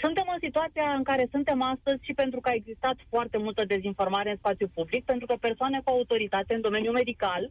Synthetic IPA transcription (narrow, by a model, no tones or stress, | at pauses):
sunt̪e̞mɨnsit̪uat̪sijaɨŋkaɾe̞sunt̪e̞mast̪əzʲʃipe̞nt̪ɾukəae̞ɡzist̪at̪foart̪emult̪əd̪e̞zinfo̞rmaɾe̞ɨnspat̪sijupublik̚pent̪ɾukəpe̞rsoane̞kuaut̪o̞ɾit̪at̪e̞ɨnd̪o̞me̞njume̞d̪ikal